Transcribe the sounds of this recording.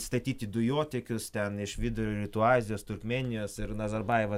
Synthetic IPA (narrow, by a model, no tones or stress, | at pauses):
st̪ɐt̪ʲiːt̪ʲid̪ʊjoːt̪ʲɪkʲʊst̪ʲɛnɪʃʋʲɪd̪ʊɾʲoːɾʲɪt̪uːɑːzʲɪjoːst̪ʊrʲkmʲɛːnʲɪjoːsɪɾnɐzɐɾbɐɪʋɐ